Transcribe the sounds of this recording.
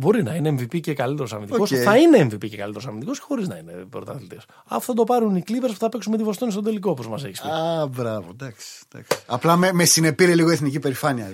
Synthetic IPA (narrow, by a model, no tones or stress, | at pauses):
bo̞ɾinɐineːɱvipice̞kɐlit̪e̞ɾo̞sɐɾvmind̪okoθɐine̞ːɱvipice̞kɐlit̪eɾsɐɾmind̪iko̞sce̥xo̞ɾiznɐine̞pɾot̪ɐθlit̪es | ɐ̰fo̥θɐd̪o̞pɐɾuniklivɾespu̥θɐpeksumet̪ivost̪onist̪o̞d̪e̞likopozmɐse̞çiskbɾɐvo̰d̪ɐksi̥d̪̥ɐ̰ksi̥ɐplɐmemesine̞piɾeliɣoeθnicipe̞ɾifɐniɐ